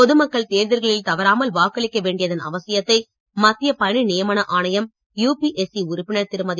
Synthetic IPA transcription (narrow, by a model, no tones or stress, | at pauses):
pɔðɯmɐkːɐɭt̪eːɾðɪɾɣɐɭɪlt̪ɐʋɐɾaːmɐlʋaːkɐɭɪkːɐʋeːɳɖɪjɐðɐnɐ̰ʋɐsɪjɐt̪ːɐɪ | mɐt̪ːɪjɐpɐɳinɪjɐmɐnɐʔaːnɐjɐm | juːpiʔɛsiʊɾʊpːɪɳɐɾt̪ɪɾɯmɐðɪ